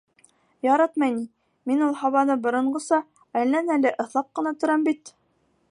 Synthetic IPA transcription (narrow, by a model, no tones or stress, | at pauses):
jɑɾɑt̪mɑjni | minulˠhɑβɑnɤbŏɾɤ̆ɴɢɤ̆sɑ | ælːænælɘʔɤ̆θlˠɑq̚qɤ̆nɑt̪ɵ̆ɾæmbit̪